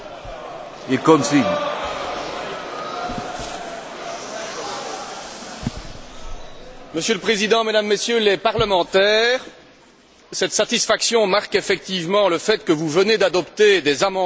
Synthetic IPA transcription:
ekɔmsin | məsjøləpχezid̪ɑ̃med̪amːesjølepaʁləmɑ̃t̪ɛːʁ | sɛt̪sat̪isfaksjɔ̃maʁkefɛk̚t̪ivmɑ̃ləfɛt̪kəvuvəned̪ad̪ɔpt̪ed̪ezamɑ̃

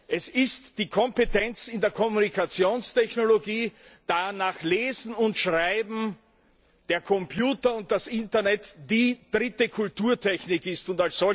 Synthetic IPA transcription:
ʔɛsɪstd̥iːkʰɔ̃mpetɛnt͡sɪndeːɐkʰɔmunikʰat͡sjoːnstʰɛçnoloɡiːd̥anaːxleːzn̩ʊntʃʁaɪbm̩ | d̥eːɐkʰɔmpʰjuːtɐʊnt̚d̥asɪntɐnɛtd̥iːd̥ʁɪtəkʰʊltuːɐtʰɛçnɪkɪstʊntalsz̥ɔ

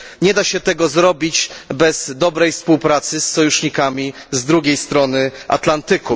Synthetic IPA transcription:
ɲɛd̪aɕɛt̪ɛɡɔzɾɔbʲid͡ʑbɛz̥d̪ɔbɾɛjfspuwpɾat̪sɘsːɔjuʂɲikamʲi | zd̪ɾuɡʲejst̪ɾɔnɘʔa̰t̪lant̪ɘku

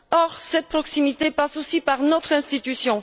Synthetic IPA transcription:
ɔʁsɛt̪̚pχɔksimit̪epasosipaʁnɔt̪χɛ̃st̪it̪ysjɔ̃

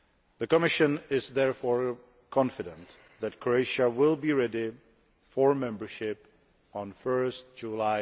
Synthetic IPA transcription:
ðɨkəmɪʃɨ̃nɪzðɛɹfɔɹ | kʰɑ̃nfɨɾə̃nt | ðɨt̚kʰɹoeɪʃəwɪlˠbiɹɛɾi | fɔɹmɛ̃mbə˞ʃɪp | nfɜ˞st̚d͡ʒulaɪ

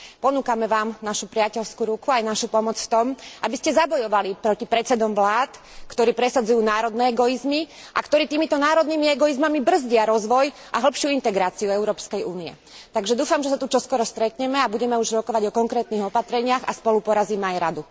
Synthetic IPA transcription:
pɔnuːkamɛʋaːmnaʃupɾɪacɛlskuɾukuajnaʃupɔmɔt͡sft̪ɔmʔabiscɛzabɔjɔʋalipɾɔcipɾɛt͡sɛd̪ɔmʋlaːt̪ | kt̪ɔɾiːpɾɛsadd͡zujuːnaːɾɔd̪nɛːɛɡɔizmi | ʔa̰kt̪ɔɾiːt̪iːmit̪ɔnaːɾɔd̪nimiɛɡɔizmamibr̩zɟɪaɾɔzʋɔj | ʔaɦl̩pʃɪuint̪ɛɡɾaːt͡siuɛʊɾɔːpskɛjuːniɛ̰ | t̪aɡʒɛd̪uːfamʒɛsat̪ut͡ʃɔskɔɾɔst̪ɾɛt̪ɲɛmɛabuɟɛmɛuʒɾɔkɔʋaɟɔkɔŋkɾɛːt̪niːɦɔpat̪ɾɛɲɪaɣa̰spɔlupɔɾaziːmɛajɾad̪u

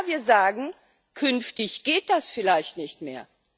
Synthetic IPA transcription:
viːɐzaːɡŋ̩ | kʰʏnftɪçɡ̥eːt̚d̥asfɪlaɪçtnɪçtmeːɐ

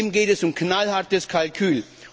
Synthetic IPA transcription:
mɡeːtɛsʊmkʰnalhaɐtəskʰalkʰyːl

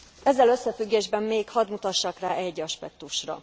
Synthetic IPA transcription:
ɛzːɛlø̞sːɛfyɡːeːʒbɛmːeːkhɒd̪mut̪ɒʃːɒkraːʔɛɟːɒʃpɛk̚t̪uʃrɒ̰

